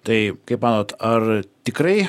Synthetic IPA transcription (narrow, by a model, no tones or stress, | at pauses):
d̥ejɡ̥ejbanɔd̥ərd̥ɪɡreː